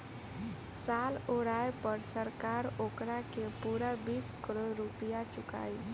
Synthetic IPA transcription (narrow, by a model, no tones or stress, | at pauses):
saːloːɾaːepəɾsəɾkaːɾoːkɾakepuːɾabiːskəɾoɾʊpɪjat͡ʃʊka̰ːiː